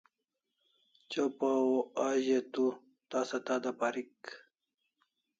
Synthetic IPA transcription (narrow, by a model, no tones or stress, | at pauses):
t͡ɕopaoaʑet̪u | t̪aːsɐt̪ad̪apaɾik